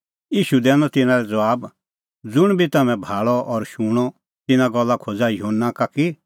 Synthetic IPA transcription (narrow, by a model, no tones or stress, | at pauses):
iːʃud̪ɛːnɔt̪ɪnãɾɛd͡zɐʋaːb | d͡zʊɽ̃bʱit̪ɐmɛ̃bʱaːɭɔʔɔɾʃuːɽ̃ɔ | t̪ɪnãɡɔlːakʰod͡zajɦonːakaki